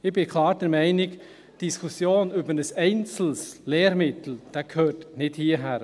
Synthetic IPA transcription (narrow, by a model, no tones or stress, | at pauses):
ɪbɪkʰlɑːɾdɛɾmɛɪnɪk | d̥iskʰusjoːnʏbəɾnəsɛɪnt͡sl̩sleːɾmɪt̪l̩d̥akʰhøːɾtnɪd̥hiəɦæːɾ